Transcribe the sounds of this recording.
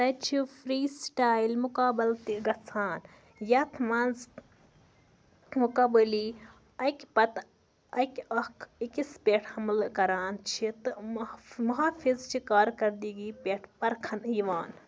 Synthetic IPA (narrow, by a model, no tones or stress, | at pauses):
t̪ɐt͡ʃʰifɾiːsʈaːjilmʊkaːbɐlt̪iɡɐt͡sʰaːn | jɐt̪ʰmɐnz | mukɐːbɐli | ɐkʲpɐt̪ | ɐkʲɐkʰikispʲeʈʰhɐmlkɐɾaːnt͡ʃʰit̪ɨmmɐɦaːfizt͡ʃʰikaːɾkɐɾd̪iːɡiːpʲeʈʰpɐɾkʰɐniʋaːn